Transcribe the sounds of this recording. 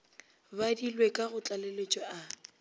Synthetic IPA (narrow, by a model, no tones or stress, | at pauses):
badilwekʼaɣʊt͡ɬʼalelet͡ʃʼɔa